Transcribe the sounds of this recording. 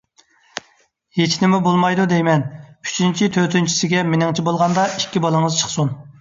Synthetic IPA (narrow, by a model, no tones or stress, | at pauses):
jet͡ʃʰinɪmubolˠmɑjd̪ud̪ejmɛny̥t͡ʃʰynt͡ʃʰit̪ʰøt̪ʰynt͡ʃʰi̥sɪɡʲɛmɪnɪŋt͡ʃʰibolˠʁɑnd̪ɑikʲːibɑlˠɨŋəzt͡ʃʰə̥χsun